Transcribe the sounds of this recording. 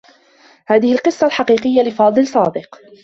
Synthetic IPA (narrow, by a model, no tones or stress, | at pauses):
haːðɪhɪlqɨsˤːɑlħɑqiːqɪjːalɪfɑːd̪ˤɨlsˤɑːd̪ɨq